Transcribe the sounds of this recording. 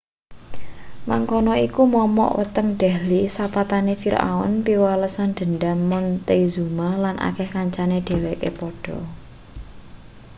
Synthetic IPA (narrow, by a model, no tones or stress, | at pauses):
maŋkɔnɔikumɔmɔ̰ʔwə̰t̪əŋɖ̪̥ɛ̤lisapat̪anefiɾa̰ɔ̰npiwaləsand̪̥ə̤nɖamːɔnt̪ezumahlanʔa̰kɛhkaɲt͡ʃaneɖ̥e̤wekḛpɔɖ̥ɔ̤